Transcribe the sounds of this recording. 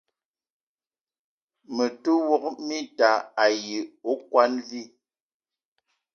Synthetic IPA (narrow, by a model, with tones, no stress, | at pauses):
mə˨tu˦wɔ˦k̚mi˦ta˨a˨ji˨o˦kwa˦nvi˦